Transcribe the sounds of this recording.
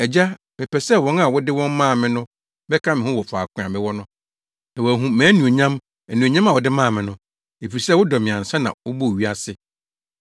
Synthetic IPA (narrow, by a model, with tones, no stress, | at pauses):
ɛ˨d͡ʑa˦ | mɪ̃˨pʰɛ˨sɛ˦wɔ̃˦na˨wɔ˦dɪ˦wɔ̃˦m˦mãː˦˨mɪ̃˦nʊ̃˦ | bɛ˦kʰã˦mɪ̃˨hʊ̃˦wɔ˨fa˨kʰʊ̃˦˨ã˨mɪ̃˦wɔ˦nʊ̃˦ | na˨wæ˨ɦũ˦mæ̃ː˨˦nũ˨e˨ɲã˦m | æ˨nũ˨o˨ɲã˦ma˨wɔ˨dɪ˦mãː˦˨mɪ̃˨nʊ̃˦ | e˨fi˨i˨sɛ˦wʊ˦dɔ˨mɪ̃˨ã˨n̩˨sã˦nã̰˨wʊ˦bɔ˦˨ɥi˦a˦sɪ˨